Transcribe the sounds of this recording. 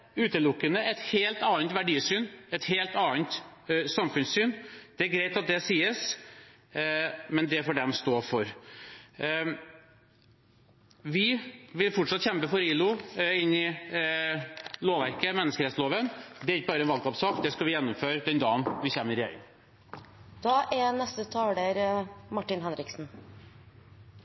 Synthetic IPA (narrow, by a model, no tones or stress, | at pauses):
ʉːt̪əlʊkːənəʔɛt̪heːlt̪ɑːnt̪ʋæɖiːsyːnɛt̪heːlt̪ɑːnt̪sɑmfʉnssyːnd̪ɛæɾɡɾɛɪt̪ɑt̪̚d̪ɛsiːəs | mɛnd̪ɛfoːɖɛmst̪oːfɔɾ | ʋɪʋɪlfɔʈʂɑt̪ːçɛmpəfɔɾiːlʊɪnːɪ | loːʋæɾkəmɛnːəskəɾɛt̪sloːʋənd̪ɛæɾɪkːəbɑːɾəɛnʋɑlkɑːpsɑːkd̪ɛskɑʋɪjɛnːʊmføːɾd̪ɛnd̪ɑːənʋɪçɛmːəɾɪœ̰n | d̪̥ɑːʔɛnɛst̪ət̪ʰɑːɖeɾmɑʈːɪnɦɛnɾɪksn̩